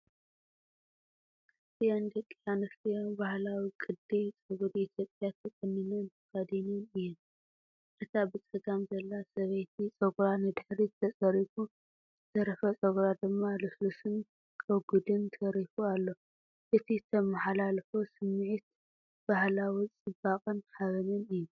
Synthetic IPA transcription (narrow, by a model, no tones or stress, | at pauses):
kʰɨst̪ʰijand̪ɐkʼːjanɨft̪ʰijobahlawikʼɨd̪ijt͡sʼɨɡud̪it̪ʰjo̞pʼjat̪ʰɨkʼɨnːinɨnt̪ʰɨkad̪inɨnɨjːɛn | ʔɨt̪ʰabɨt͡sʼɐɡamzɐlːasɐβɐjt̪ʰit͡sʼɐɡɾanɨd̪ɨħɾit̪ʰːɐt͡sʼɐɾifu | zɨt̪ʰɐɾɐfɐt͡sʼɐɡɾad̪ɨmːaluslusɨn | kʼɐɡud̪ɨnt̪ʰɐɾifualːo̞ | ʔɨt̪ʰit̪ʰɐmaħalalfosɨmːɨʕit̪̚ | b̥ahlawit͡sʼɨbakʼɐnħaβɐnɨnɨjːɛ